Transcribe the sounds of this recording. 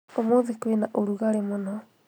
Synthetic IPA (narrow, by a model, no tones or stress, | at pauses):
omoðekwenaʔoɾuɣaɾemonɔ